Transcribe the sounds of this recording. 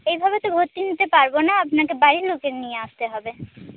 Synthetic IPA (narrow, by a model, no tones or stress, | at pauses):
ejbʱabet̪obʱoɾt̪ːinit̪epaɾbonaapnakebaɾilokeɾnijeaʃt̪eɦɔbe